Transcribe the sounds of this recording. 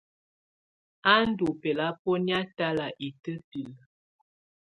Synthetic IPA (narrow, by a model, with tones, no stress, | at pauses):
a˦n̩˦du˨pɛ˨la˦pɔ˦nja˦ta˦la˨ʔi˨tə˦pi˨l